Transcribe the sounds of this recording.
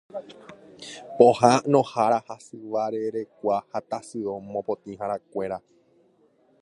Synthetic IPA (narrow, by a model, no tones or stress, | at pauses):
pohãnõ̞haɾahasɨʋaɾeɾe̞kʷahat̪asɨomõpot̪ĩɦãɾakʷe̞ɾa